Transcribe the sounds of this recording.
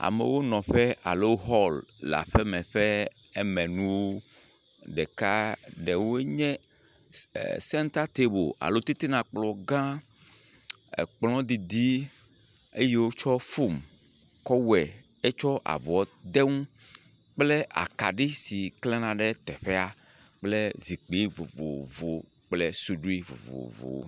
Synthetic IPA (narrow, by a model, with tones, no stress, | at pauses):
a̰˨mḛ˨wo˦nɔ̃˨ɸe˦a̰˨lo˦ɦɔ˦˨lla̰˨ɸe˦mɛ̃˨ɸe˦e˦mɛ̃˨nũ˦wwo˦ | ɖɛ˨ka˦ɖe˨wo˦ɲɛ̃˦ | sɛ˦nt̪a˦t̪e˦bo̰˨a̰˨lo˦t̪i˦t̪i˦nã˨k͡plɔ˨ɡã˦ | ḛ˨k͡plɔ̃˦d̪i˨d̪i˦ | e˦je˦wo˦t͡ʃɔ˦fo˦˨m | kɔ˦wɛ˨e˦t͡ʃɔ˦ʔa̰˨vɔ˨d̪e˦ŋũ˦ | k͡ple˦ʔa̰˨ka̰˨ɖi˦si˨kle˦nã˨ɖe˦t̪ɛ˨ɸe˦a˨ | k͡ple˦zi˨k͡pi˨˦vo˨vo̰˨vo˨ | k͡ple˦su˦ɖu˦i˦vo̰˨vo̰˨vo̰˨˦